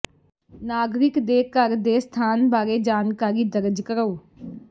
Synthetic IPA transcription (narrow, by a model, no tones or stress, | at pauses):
naːɡɾɪkd̪eːkəɾd̪eːst̪ʰaːnbaːɾeːd͡ʒaːnkaːɾiːd̪əɾd͡ʒkəɾəoː